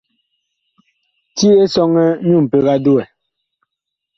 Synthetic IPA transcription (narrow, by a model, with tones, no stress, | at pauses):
ti˦e˦sɔ˦ŋɛ˦mju˦˨m̩˨pe˦ɣa˦du˦ɛ˨